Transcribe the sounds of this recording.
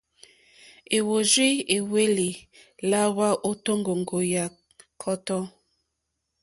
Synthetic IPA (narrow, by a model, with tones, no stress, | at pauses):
e˨wo˨zwi˦e˨we˦li˨la˦wa˦ʔo˦to˦ŋ˦ɡo˨ŋ˨ɡo˨ja˨ | kʰɔ˦tɔ˦